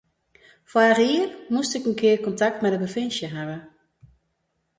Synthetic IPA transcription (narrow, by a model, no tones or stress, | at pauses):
fwaəriərmustɪkənkʰɪəkɔntak̚tmɛdəbəfɪnsjəɦaʋə